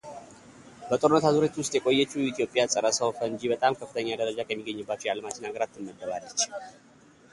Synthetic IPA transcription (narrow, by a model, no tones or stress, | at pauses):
bət̪ʼoɾɨnːət̪ʰazuɾet͡ʃ̪wʊst̪ʼjɛkʼo̞jːɛt͡ʃːuit̪ʰjo̞pʼjasʼəɾəsəwfəɨɲd͡ʒibət̪ʼamkʰəfːɨt̪ʰəɲːad̪əɾəd͡ʒakʰəmːiɡːəɲːɨbːat͡ʃːɛjalmat͡ʃɪnhaɡəɾat̪ʰːɨnməd̪ːəβalːət͡ʃː